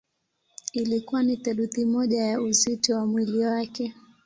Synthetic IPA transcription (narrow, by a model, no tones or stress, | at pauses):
ilikuwanitɛɗuθimɔʄajauzitɔwamwiliwakɛ